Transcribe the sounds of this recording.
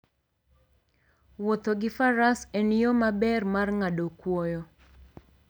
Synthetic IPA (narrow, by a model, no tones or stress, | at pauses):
wot̪oɡɪfaɾasenijomabɛrmarŋadokwɔjɔ